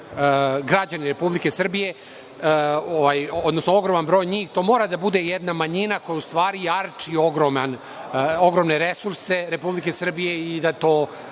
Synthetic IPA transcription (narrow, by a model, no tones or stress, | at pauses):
ɡɾad͡ʑaniɾe̞publike̞sr̩bije̞ | oʋajod̪nosnoo̞ɡɾo̞manbɾo̞ːjɲiːxt̪o̞ːmo̞ːɾad̪abud̪ejed̪namaɲinako̞jaust̪ʋaːɾijaɾt͡ʂio̞ɡɾoman | oɡɾo̞mneɾesuɾse̞ɾe̞publike̞sr̩bije̞id̪at̪o̞ː